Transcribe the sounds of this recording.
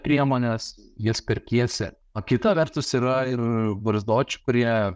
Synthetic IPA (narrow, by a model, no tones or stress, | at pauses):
pʲɾʲiɛmoːnʲeːsjispʲɛɾʲkʲiɛsʲɛ̰ | ɐkʲɪt̪ɐʋʲɛɾt̪ʊsiɾɐɪɾʋɐɾʲzd̪oːt͡ʃʲʊ̥kʊɾʲiɛ